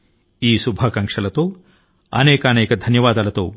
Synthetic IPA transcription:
iːsubʱaːkɐŋkʂɐlɐt̪oː | ɐ̰neːkɐːneːkɐd̪ʱɐnjɐʋaːd̪aːlɐt̪oː

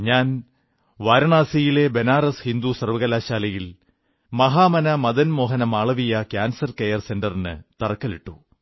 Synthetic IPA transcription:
ɲaːn | ʋaːɾɐɳaːsijile̞be̞naːrɐshind̪usɐrʋɐɣɐlaːɕaːlɐjil | mɐɦaːmɐnɐmɐd̪ɐnmo̞ːɦɐnɐmaːɭɐʋijɐkjaːnsɐrkejɐrse̞ndɐrinɨ̰t̪ɐrɐkːɐliʈːu

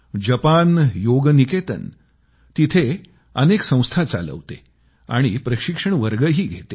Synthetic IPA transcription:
d͡ʑəpanjoɡniket̪ə̰n | t̪it̪ʰe | əneksə̃w̃st̪ʰat͡sa̰lə̰ʋt̪e | a̰ɽ̃ipɾəɕikʂəɳʋəɾɡəɦiːɡʱet̪e

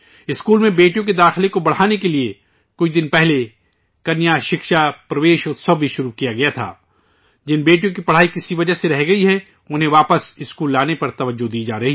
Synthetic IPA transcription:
ɪskuːlmẽbeːʈijõk̬ed̪aːxɪlekobɐɽ̤aːnekelie | kʊt͡ʃd̪ɪnpɛɦle | kɐnjaːʃɪkʃapɾɐʋeːʃʊt̪sɐbbiʃʊɾukijaɡɐjat̪ʰa̰ː | d͡ʒɪnbeːʈijõk̬ipɐɽ̤aːikɪsiʋɐd͡ʒaseɾɐɦɡɐiɦɛ | ʊnɦẽʋaːpəsɪskuːlːaːnepɐɾt̪ɐʋəd͡ʒːod̪iːd͡ʒaːɾɐɦi

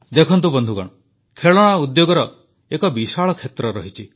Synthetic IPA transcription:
d̪ekʰɔnt̪̬ubɔnd̪ʱukɔ̰ɽ̃ɔ | kʰeɭɔɽ̃aud̪joɡɔɾɔ | ekɔbisaɭɔkʰet̪ɾɔɾɔɦit͡ʃʰi

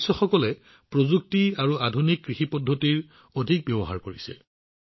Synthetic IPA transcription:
sɔxɔkɔlɛ | pɹozuk̚tiaɹuadʱunikːɹixipɔdʱːotiɹ | odʱik̚bjɔbɔɦa̰ɹkoɹisɛ

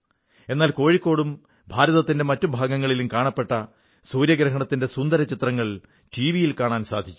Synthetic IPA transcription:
e̞nːaːlko̞ːɻikːo̞ːɽum | bʱaːɾɐðɐt̪ːinde̞mɐtːubʱaːɡɐŋːɐɭilumkaːɳɐpːe̞ʈːɐ | suːɾjɐɡɾɐɦɐɳɐt̪ːinde̞sund̪ɐɾɐt͡ɕit̪rɐŋːɐɭ | tiːʋijilkaːɳaːnsa̰ːd̪ʱit͡ɕʲːu̥

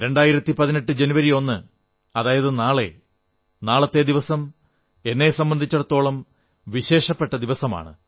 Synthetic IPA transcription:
ɾe̞ɳɖaːjiɾɐt̪ːipɐðineʈːɨd͡ʑe̞nuʋɐɾio̞nːɨ | ɐðaːjɐðɨnaːɭḛ | naːɭɐt̪ːe̞d̪iʋɐsɐm | e̞nːe̞sɐmbɐnd̪ʱit͡ɕːɐɽɐt̪ːo̞ːɭɐm | ʋiɕe̞ːʂɐpːe̞ʈːɐd̪iʋɐsɐma̰ːɳɨ̰

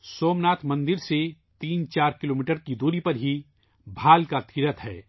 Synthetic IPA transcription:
soːmnaːt̪ʰmɐ̃nd̪ɪɾse | t̪iːnt͡ʃaːɾkɪloːmiːʈəɾkid̪oːɾipɐɾɦi | bʱaːlkat̪ʰiɾət̪ɦɛː

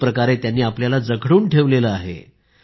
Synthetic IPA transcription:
pɾəkaɾet̪janːiːapljalad͡zəkʰɽuːnʈʰeʋleləaɦḛ

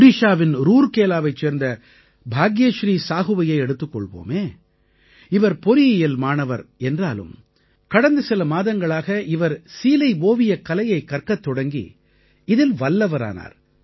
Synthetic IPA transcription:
ɾɪʂaːʋɪnɾuːɾkeːlaːʋɐɪt͡ʃːeːɾnd̪ɐ | bʱaːɡɪjɐʃɾiːsaːɣɯʋɐjɐɪɛɽɯt̪ːɯkːɔɭʋo̰ːmeː | ɪʋɐɾpɔɾɪjjɐlmaːnɐʋɐɾɛndraːlɯ̰m | kɐɽɐnd̪ɯsɪlɐmaːðɐŋɡɐɭaːɣɐɪʋɐɾsiːlɐɪʋoːʋɪjɐkɐlɐjɐɪkːɐɾkɐt̪ːɔɽɐŋɡḭ | ɪðɪlʋɐlːɐʋɐɾa̰ːna̰ːɾ

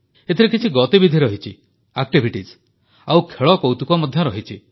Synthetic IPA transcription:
et̪ʰiɾekʰit͡ʃʰiɡɔt̪ibid̪ʱiɾɔɦit͡ʃʰi | ak̚ʈibʱiʈis | awkʰeɭɔkɔwt̪ukɔmɔd̪ʱjɔɾɔɦit͡ʃʰi

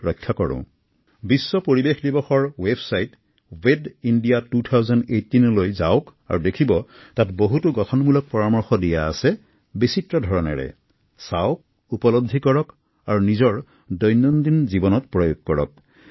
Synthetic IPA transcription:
ɹɔjkʰːakɔɹʊ̰̃ | bisːɔpoɹibexdibɔxɔɹwebsajt | wedindijatutʰawzɔndejtːinlojzaʊka̰ɹudekʰibɔtatboɦutuɡɔtʰɔnmulɔk̚pɔɹamɔɹxɔdija̰ːsɛ | bisitɹɔdʱɔɹɔnɛ̰ɹɛ̰ | saʊk | upɔlɔb̚d̪ʱikɔɹɔk | aɹunizɔɹ | dɔjnːɔndinzibɔnɔtpɹɔjoɡ̚kɔɹɔ̰k̚

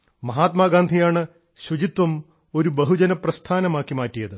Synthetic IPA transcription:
mɐɦaːt̪maːɡaːnd̪ʱijaːɳɨ | ɕwud͡ʑit̪wɐm | o̞ɾubɐɦud͡ʑɐnɐprɐst̪ʰaːnɐmaːkːimaːtːijɐðɨ

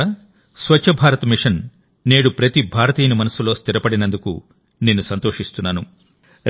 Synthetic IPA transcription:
sʋɐt͡ʃt͡ʃːʃʰɐbʱaːɾɐt̪ɐmiʂɐn | ne̞ːɽupɾɐt̪ibʱaːɾɐt̪iːnimɐnɐsulo̞ːst̪iɾɐpɐɽinɐnd̪ukṵ | ne̞ːnːusɐnt̪o̞ːʂist̪unːaːnu

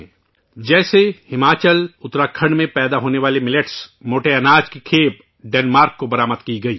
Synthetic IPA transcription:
d͡ʒɛːsehɪmaːt͡ʃəlʊt̪ɾaːkʰə̃ɳɖmẽpɛːd̪aɦoːneʋaːlemɪleʈsmoːʈeɐnaːd͡ʒkikʰeːp | ɖɛːnmaːɾkːobɐɾaːməd̪kiɡɐiː

